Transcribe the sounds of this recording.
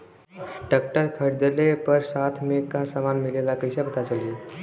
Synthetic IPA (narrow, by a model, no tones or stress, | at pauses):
ʈək̚ʈəɾkʰəɽd̪əlepəɾsaːt̪ʰmẽkasamaːnmɪlelakəɪsapət̪at͡ʃəlie